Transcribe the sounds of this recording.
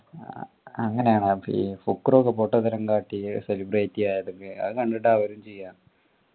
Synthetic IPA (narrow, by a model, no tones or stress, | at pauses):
ɐŋːɐne̞jaːɳaḭfukːroːkːɐpoʈːɐðɐɾɐŋkaːʈːiselibreːtːijaːjɐðuŋɡeɐ̰ðɨkɐɳɖeʈːaːʋɐɾumt͡ɕejːaːɳ